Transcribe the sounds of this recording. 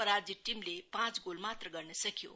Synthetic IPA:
əɾaɾd͡ʑiʈːimlepãt͡sɡolmat̪ɾəɡəɾɳesəkʰjo̰

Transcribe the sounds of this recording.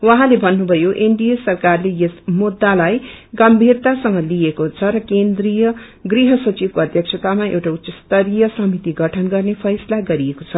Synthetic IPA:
wʌɦãlebʱʌnːubʱʌjoʔeɳɖijesʌrkarlejesmud̪ːalajɡʌmbʱirt̪asʌŋɡʌliekot͡sʰʌɾʌkend̪rijʌ | ɡriɦʌsʌt͡sib̚koʌd̪ʱjʌkst͡sʰʌt̪amaʔḛwʈaut̪ːsʌst̪ʌɾijʌsʌmit̪iɡʌʈʰʌnɡʌrnepʰʌjsʌlaɡʌɾijekot͡sʰʌ

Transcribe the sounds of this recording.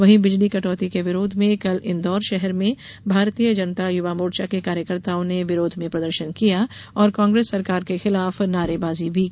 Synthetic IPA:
ʋɐɦĩbɪd͡ʒlikɐʈɔːt̪ikeʋɪɾoːd̪ʱmẽkɐlɪ̃nd̪ɔːɾʃɛɦɛɾmẽ | bʱaːɾt̪iːjəd͡ʒɐnət̪ajʊʋaːmoːɾt͡ʃakekaːɾjəkəɾt̪aːõneʋɪɾoːd̪ʱmẽpɾɐd̪əɾʃənkijaɔːɾkãːŋɡɾeːsːɐɾkaːɾkexɪlaːfnaːɾebaːzibʱi

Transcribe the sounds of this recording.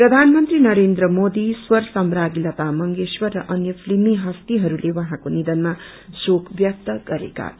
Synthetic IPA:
prʌd̪ʱanmʌnt̪rinʌɾend̪rʌmod̪iswʌrsʌmɾaɡilʌt̪amʌŋɡeswʌrːʌʔʌnjʌpʰlimiɦʌst̪iɦʌɾulewʌɦãkonid̪ʌnma | sokʰbjʌk̚t̪ʌɡʌɾḛka̰

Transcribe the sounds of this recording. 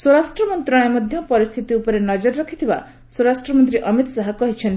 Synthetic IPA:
swoɾasʈɾɔmɔnt̪ɾɔ̃emɔd̪ʱjɔpɔɾist̪ʰit̪iupɔɾenɔd͡ʒɔɾːɔkʰit̪ʰiba | swoɾasʈɾɔmɔnt̪ɾiʔʌmit̪saɦɔkɔɦit͡ʃʰɔnt̪i

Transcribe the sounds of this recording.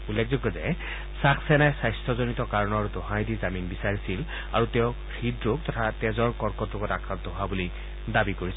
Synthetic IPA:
ulːek̚ʰzɔɡɔzɛ | sakʰsɛnajsajstʰɔzonitɔkaɹɔnɔɹdɔɦãjdizaminbisaɹisil | a̰ɹutɛʊ | xidɹoɡ̚tɔtʰatɛzɔɹkɔɹkɔtɹokɔtakʰɹantɔɦoabuli | dabikoɹis

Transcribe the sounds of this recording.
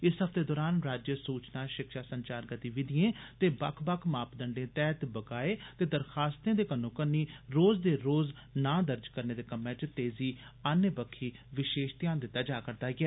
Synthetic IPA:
ɪsɦəpʰt̪eːd̪ɔːɾaːnɾaːd͡ʒjəsuːt͡ʃnaːʃɪkʃaːsəɲt͡ʃaːɾɡət̪iːʋɪd̪ɪjẽːt̪eːbəkʰbəkʰmaːpd̪əɳɖẽːt̪ɛːt̪bəkaːeːt̪eːd̪əɾxaːst̪ẽːd̪eːkənõːkənːiːɾoːzd̪eːɾoːz | nãːd̪əɾd͡ʒkəɾneːd̪eːkəmẽːt͡ʃt̪eːziːanjəbəkʰːiːʋɪʃeːʃt̪ɪjaːnd̪ɪt̪ːaːd͡ʒaːkəɾd̪aːɡɪɛː

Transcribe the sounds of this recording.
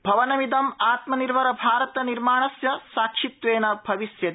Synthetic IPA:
bʱɐʋɐnɐmid̪ɐmaːt̪mɐniɾʋɐɾɐbʱaːɾɐt̪ɐniɾmaːɳɐsjɐsaːkʂit̪ʋeːnɐbʱɐʋisjɐ

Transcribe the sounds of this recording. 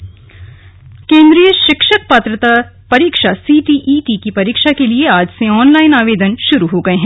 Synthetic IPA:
kẽːnd̪ɾijəʃɪkʃək̚paːt̪ɾət̪a | pɐɾiːkʃasiːʈiʔiːʈikipɐɾiːkʃakelieaːd͡ʒseɔːnlaːɪnaːʋeːd̪ənʃʊɾuɦoːɡɐeɦɛ̃

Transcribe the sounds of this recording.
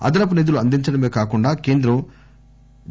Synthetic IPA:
ɐ̰d̪ɐlɐp̬ɐned̪uluɐnd̪iɲt͡ʃɐɽɐme̞ːkaːkuɳɖaːke̞ːnd̪ɾɐm

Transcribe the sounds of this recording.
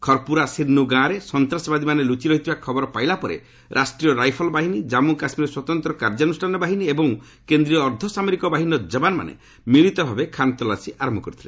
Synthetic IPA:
kʰɔɾpuɾasiɾnuɡãɾesɔnt̪ɾasɔbad̪imanelut͡ʃiɾɔɦit̪ʰibakʰɔbɔɾɔpajlapɔɾḛ | ɾʔasʈɾiɔɾajpʰɔlɔbaɦinid͡ʒamukasmiɾeswat̪ɔnt̪ɾɔkaɾd͡ʒɔnusʈʰanɔbaɦiniebɔŋ | kend̪ɾiɾɔːɾd̪ʱɔsameɾikɔbaɦiniɔd͡ʒɔbanma̰nḛ | miɭ̃it̪ɔbʱabekʰant̪ɔlasiʔaɾɔmbɔkɔɾit̪ʰile

